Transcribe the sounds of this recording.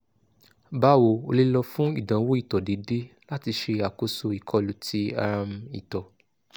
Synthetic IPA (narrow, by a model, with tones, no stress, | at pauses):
ba˦wo˨˧o˧li˦lɔ˧fũ˦ḭ˦˨dã˨˦wo˦i˦˨tɔ˨de˨˦de˦la˦ti˧ʃe˧a˨ko˦so˧i˨kʰɔ˨˧lu˨tʰi˧˦a˦˧m˧ḭ˨tɔ˨